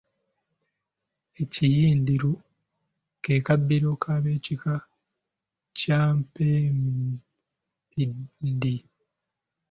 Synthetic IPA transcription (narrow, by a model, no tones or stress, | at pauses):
ecijiːndiɾu | keːkabːiɾokʰaβeːcika | caːmpem | pindi